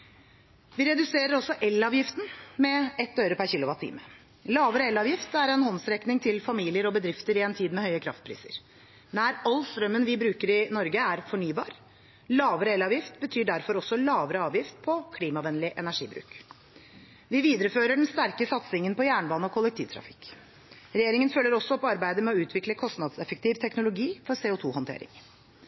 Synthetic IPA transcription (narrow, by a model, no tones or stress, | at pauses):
ʋɪɾɛd̪ʉseːɾəɾɔsɔʔɛlɑːʋjɪft̪n̩mɛɛt̪̚ːøʏɾəpʰæɾçɪlʊʋɑt̪ʰḭːmə | lɑːʋəɾəɛlːɑːʋjɪft̪æɾɛnhɔnsɾɛknɪŋt̪ʰɪlfɑmiːlɪəɾɔbəd̪ɾɪft̪əɾɪɛnt̪ʰiːd̪mɛhœʏəkʰɾɑ̰ft̪̚pʰɾḭːsə̰ɾ | næɾɑlst̪ɾœmːənʋɪbɾʉːkəɾɪnɔɾɡəæɾfɔɳyːbɑːɾ | lɑːʋəɾəɛlɑːʋjɪft̪bət̪ʰyːɖæɾfɔɾɔsːɔlɑːʋəɾəɑːʋjɪft̪̚pʰɔkʰliːmɑʋɛnlɪʔɛnæʂḭːbɾʉ̰ːk | ʋɪʋiːd̪əɾəføːɾəɖɛn̩st̪æɾkəsɑt̪sɪŋənpɔjæːɳəbɑːnəɔkʰʊlːɛk̚t̪ʰiːʋt̪ʰɾɑ̰fɪ̥k | ɾɛjeːɾɪŋənfœlːəɾɔsːɔɔpɑɾbæɪd̪əmɛɔʉːt̪ʰʋɪkləkʰɔst̪nɑd̪sɛfək̚t̪iːʋt̪ʰɛknʊlʊɡiːfɔɾseːʊt̪ʰuːhɑnt̪ʰḛːɾɪ̰ŋ